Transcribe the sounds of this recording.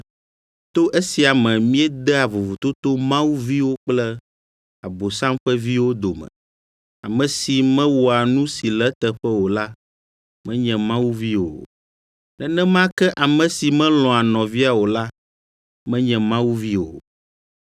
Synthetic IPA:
t̪o˦ʔe˦si˨a˨mɛ̃˨mĩ˦ɛ˦d̪ɛ˦a˨vo˨vu˨t̪o˦t̪o˦mã˦wu˦vi˦wo˦k͡plɛ˦ | a˨bo˨sã˦mɸɛ˦vi˦wo˦d̪o˨mɛ̰̃˨ | a̰˨mɛ̃˨si˨mɛ̃˦wo˨a˨nũ˦si˨lɛ˦t̪ɛ˨ɸɛ˦wo˨la˦ | mɛ̃˦ɲɛ̃˨mã˦wu˦vi˦wo̰˨ | nɛ̃˨nɛ̃˦mã˦kɛ˦ʔa˨mɛ̃˨si˨mɛ̃˦lɔ̃˨a˨nɔ̃˨vi˦a˨wo˨la˦ | mɛ̃˦ɲɛ̃˨mã˦wu˦vi˦wo̰˨

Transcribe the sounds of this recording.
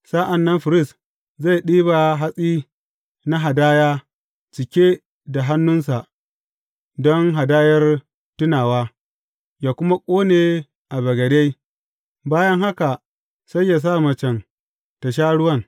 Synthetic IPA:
sa˦ʔa˨nːɐ˦mɸɪ˨ɾɪ˦˨s | za˦˨ɗiː˦ba˨ɦa˦sʼiː˦ | na˦ɦa˨daː˦jaː˦ | t͡ʃɪ˨kʲe˦ | da˨ɦa˦nːʊ˦nsa˨ʔ | dɔ˦ŋɦa˨daː˦jɐ˦r | tʊ˦naː˨waː˦ | jaː˨kʷʊ˦ma˦kʷʼoː˦neː˨ | ʔa˨bɐ˨ɡɐ˨de˦j | baː˦jɐ˦ŋha˦ka˨ | sa˦jːa˨s̬a˦˨mɐ˨t͡ʃɛ˨n | ta˨ʃ̬aː˦ɽʊ˦wɐ˦n

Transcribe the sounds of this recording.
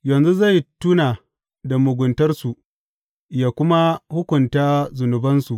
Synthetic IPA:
jɐ˨nzu˦za˦˨jtuː˦naː˨ | da˨mʊ˨ɡʷʊ˨ntɐ˦rsu˨ʔ | jaː˨kʷʊ˦ma˦hʊ˦kʷʊ˨ntaː˦zʊ˨nʊ˨bɐ˦nsu˨ʔ

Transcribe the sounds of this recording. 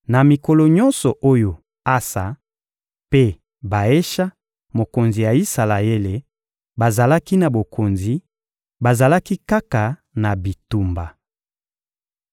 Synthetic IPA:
na˨mi˨ko˨lo˨ɲɔ̃˦nsɔ˨ʔo˦jo˨ | a˦sa̰˨ | pe˦ | ba˨e˦ʃa˦ | mo˨ko˨nzi˨ja˨i˦sa˨la˨e˦le˨ | ba˨za˨la˦ki˦na˨bo˨kʰo˨nzi˨ | ba˨za˨la˦ki˦ka˦ka˨ | na˨bi˨tu˦˨mba˨

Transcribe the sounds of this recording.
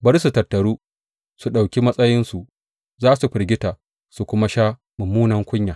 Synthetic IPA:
bɐ˦ɾsu˨tɐ˨tːɐ˨ɾuː˦ | su˨ɗa˨wkʲi˦mɐ˦sʼɐ˦jɪ˦nsu˨ | zaː˦su˨ɸɪ˨ɾɡʲɪ˦taː˨ | su˨kʷʊ˦ma˦ʃaː˦ | mʊ˨mːuː˦nɐ˦ŋkʷʊ˦ɲjaː˨

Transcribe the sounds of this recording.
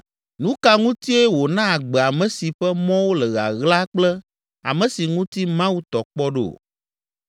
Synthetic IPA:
nũ˦ka˦ŋũ˦t̪i˦e˦wo˨nã˦a˨ɡ͡bɛ˨a˨mɛ̃˨˦si˨ɸɛ˦mɔ̃˦wo˦lɛ˨ɣa̰˨ɣla˦k͡plɛ˦ | a̰˨mɛ̃˨si˨ŋũ˦t̪i˦mã˦wu˦t̪ɔ˨k͡pɔ˦ɖḛ˦˨

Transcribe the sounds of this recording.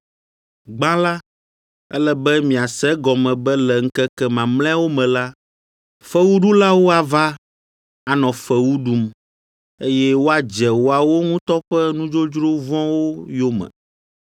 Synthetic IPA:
ɡ͡bã˦la˦ | ɛ˦lɛ˦bɛ˦mĩ˨a˨sɛ˦ɡɔ˨mɛ̃˨bɛ˦lɛ˨ŋ̩˦kɛ˦kɛ˦˨mã˨ml̃ɛ̃˦wo˦mɛ̃˨la˦ | fɛ˦wu˦ɖu˦la˦wo˦a˨va˦ | a˨nɔ̃˨fɛ˨wu˦ɖu˦m | e˦jɛ˦wo˦a˨d͡ʒɛ˨wo˦a˨wo˦ŋũ˦t̪ɔ˦ɸɛ˦nũ˦d͡ʒo˦d͡ʒɾo˦vɔ̃˦wo˦jo˦mɛ̰̃˨

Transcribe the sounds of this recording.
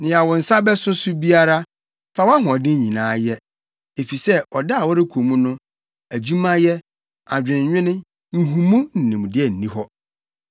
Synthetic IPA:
nɪ̃˨ja˨wɔ˨n̩˨sa˦bɛ˦sʊ̃˦sʊ˦bi˦a˦ɾa˦ | fa˨˦wa˦ɦʊ̃˨ɔ˨dɪ̃˦ɲĩ˨nãː˨˦jɛ˦ | e˨fi˨sɛ˦ɔ˨da˦a˨wɔ˦ɾɪ˦kʰo˨mũ˦nʊ̃˦ | æ˨d͡ʑũ˦mã˦jɛ˦ | a˨d͡ʑᶣɪ̃˨ɲ̩˨ɲᶣɪ̃˦nɪ̃˦ | ɲ̩˨ɦũ˨mũ˦n̩˨nɪ̃˨m̃˨dɪ˦ɛ˦n̩˨nĩ˦ɦɔ˦

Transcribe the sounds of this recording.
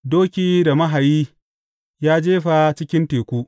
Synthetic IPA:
doː˦kʲiː˦da˨mɐ˦ɦa˨jiː˦ | jaː˦d͡ʒeː˦ɸa˨t͡ʃɪ˦kʲɪ˦nteː˨kʷuː˦ʔ

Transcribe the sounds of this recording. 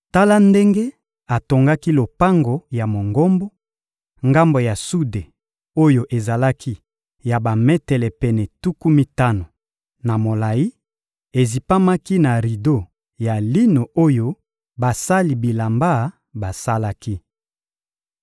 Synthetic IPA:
ta˦la˦nde˦ŋɡe˦ | a˨to˨ŋɡa˦ki˦lo˨pa˦ŋɡo˨ja˨mo˨ŋɡo˦mbo˦ | ŋɡa˦mbo˨ja˨su˦de˨ | o˦jo˨ʔe˨za˨la˦kʰi˦ | ja˨ba˨mɛ˦tɛ˨lɛ˨pɛ˨nɛ˨tu˦ku˦mi˦ta˦no˨ | na˨mo˨la˨ji˦ | e˨zi˨pa˦ma˦ki˦na˨ʁi˨do˦˨ | ja˨li˦no˨ʔo˦jo˦ | ba˨sa˦li˨bi˨la˨mba˦˨ | ba˨sa˦la˦ki˦

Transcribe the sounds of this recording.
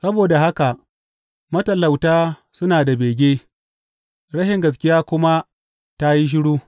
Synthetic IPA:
sɐ˦boː˨da˨ɦa˦ka˨ʔ | mɐ˦tɐ˨lːa˨wtaː˦sʊ˦naː˨da˨beː˨ɡʲeː˦ | ɽɐ˦ʃɪ˨ŋɡɐ˨s̬kʲɪ˦jaː˦kʷʊ˦ma˦ | ta˦ji˦ʃ̬ɪ˦ɽuː˦

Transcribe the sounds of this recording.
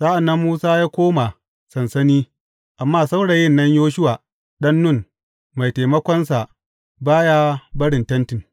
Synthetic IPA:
saː˦ʔa˨nːɐ˦mːuː˦saː˦jaː˦kʷoː˦ma˨ | sɐ˨nsɐ˦niː˦ | ʔa˨mːaː˦sa˦wɽa˨jɪ˦nːɐ˦ɲjoː˦ʃ̬ʊ˦waː˨ | ɗɐ˦nːʊ˦˨n | ma˨jta˨jmɐ˦kʷɔ˦nsa˨ | baː˦jaː˦bɐ˦ɽɪ˨ntɐ˦ntɪ˨ŋ

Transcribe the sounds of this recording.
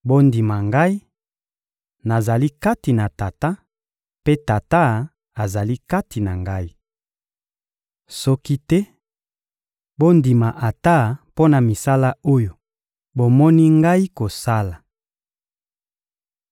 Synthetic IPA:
bo˦ndi˨ma˨ŋɡa˦i˦ | na˨za˨li˦ka˦ti˨na˨ta˨ta˦ | pe˦ta˨ta˦ | a˨za˨li˦ka˦ti˨na˨ŋɡa˦i˦ | sɔ˦ki˦tɛ˦ | bo˦ndi˨ma˨ʔa˨ta˦˨po˦na˨mi˨sa˦la˦o˦jo˨ | bo˨mɔ˦ni˦ŋɡa˦i˦ko˨sa˦la˨

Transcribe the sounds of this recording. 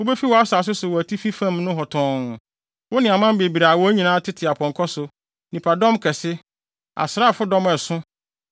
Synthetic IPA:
wʊ˦be˦fi˦wɔ˨˦a˦sa˨s̬ʊ˦sʊ˨wɔ˨æ˨tʰi˦fi˦fã˦mnʊ̃˦ɦɔ˨tʰɔ̃ː˨ŋʊ̃˨ | wʊ˦nɪ̃˨a˨mã˦m˦be˨bi˨ɾaː˨wɔ˦æ˦ɲĩ˨nãː˨˦tʰɪ˦tʰɪ˨a˨pʰɔ̃˨ŋ˨kʰɔ˦sʊ˨ | nĩ˨pʰa˨dɔ̃˦mkʰɛ˨sɪ˦ | a̰˨sɪɾa˦˨fʊ˦dɔ̃˦mɛ˨sʊ̃˦

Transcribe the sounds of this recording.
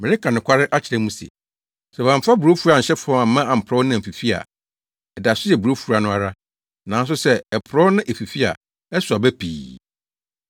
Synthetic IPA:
mɪ˨ɾɪ˦kʰã˨nʊ̃˨kʰʷa˦ɾɪ˦ʔa˦t͡ɕʰɪ˨ɾɛ̃˨˦mũ˦sḛ˨ | sɛ˨bã˨m˨fa˦bu˨ɾo˦fu˦ɾa˨ɲ̩˨ɕɛ˦fʊ˨˦ɔ̃˦ma˨m̩˦mã˦a˨m̩˨pʰɾɔ˦nɪ̃˦˨m̩˨fi˨fi˦a̰˨ | ɛ˨da˨sʊ˦jɛ˨bu˨ɾo˦fu˨ɾa˨nʊ̃˦a˨ɾa˦ | nã˨˦n˦s̬ʊ˦sɛ˦ɛ˨pʰɾɔ˦nʊ̃˦ʔe˨fi˨fi˦a̰˨ | ɛ˦sʊ˨a˨bæ˦pʰḭː˨

